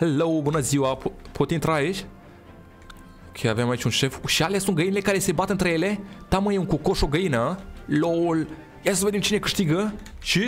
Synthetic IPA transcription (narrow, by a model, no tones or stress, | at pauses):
helowbunəziwapʰot̪int̪ɾaːit͡ʃʲ | kʰeaveemait͡ʃʲunʃefʃialeasunɡəinele̞kaɾesebat̪əɨnt̪ɾejelet̪aməjeuŋkokoʃoɡəinəloul | jasəved̪emt͡ʃinekɨʃt̪iɡəʃi